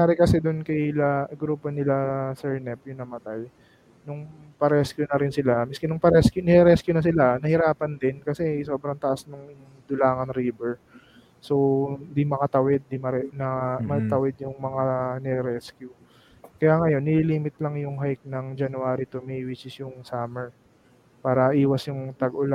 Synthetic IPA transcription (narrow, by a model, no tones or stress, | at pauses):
aːɾɪkɐsɛd̪ʊnkɐjlɐɡɾuːpo̞nɪlasɛɹnɛpjʊŋnɐmɐt̪aj | nʊŋpɐɾɛskjʊnɐɾɪnsɪlamɪskɪnʊŋpɐɾɛskjʊnɛɾɛskjʊnɐsɪlanɐhɪɾaːpɐnd̪ɪnkɐsɛjso̞ːbɾɐŋt̪ɐʔasnʊŋɪ | d̪ʊlaːŋɐnɾiːbɛɹ | so̞w̪d̪imɐkat̪ɐwɛd̪̚ːimɐɾɛnɐmɐt̪ɐwɛd̪̚jʊŋmɐŋanɛɾɛskjʊ | kɐjaːŋɐjo̞nːɪliliːmɪt̪̚lɐŋjʊŋɦajk̚nɐŋd͡ʒɐnʊaːɾit̪omɛwɪt͡ʃɪsjʊŋsaːmɛɹ | paːɾɐʔiːwɐsjʊŋt̪ɐɡʊla